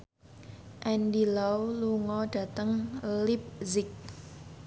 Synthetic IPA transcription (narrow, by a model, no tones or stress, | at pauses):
ʔɛndilawluŋɔɖ̥ä̤t̪əŋlɪp̚zɪk̚